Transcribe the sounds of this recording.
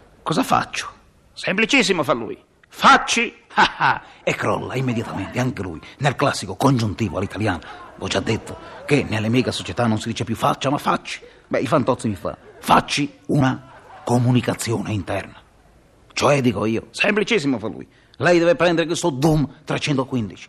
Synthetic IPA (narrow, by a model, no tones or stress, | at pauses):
kɔzafa̰t͡ʃːʊ̥ | semplit͡ʃis̬ːimofalːṵːj | fat͡ʃːiaaɛkːɾɔ̰lːa̰imːed̪jat̪ament̪eaŋkelṵjnelklasːikokond͡ʒunt̪iːvo̰alit̪aljaːnavɔd͡ʒad̪ːet̪ːokenelːemiːɡasot͡ʃɛt̪anːonsid̪iːt͡ʃepjufːa̰t͡ʃːamafːat͡ʃːi̥ | bɛifant̪ɔt̪simifa̰fat͡ʃːiunakomunikat̪sːjɔːneint̪ɛrna | t͡ʃɔɛd̪iːkoiːo̰semplit͡ʃis̬ːimofalːṵːj | lɛjd̪ɛvepɾɛnd̪eɾekwest̪od̪umt̪ɾat͡ʃɛnt̪oakːwind̪it͡ʃi̥